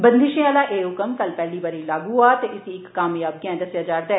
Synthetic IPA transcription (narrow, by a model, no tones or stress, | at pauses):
bə̃nd̪ɪʃẽaːlaːʔeːɦʊkəmkɐlpɛːliːbaːɾilaːɡuːɦaːt̪eʔɪsiɪkːaːmjaːb̚ɡɛ̃d̪əsjaːd͡ʒaːɾd̪ɛː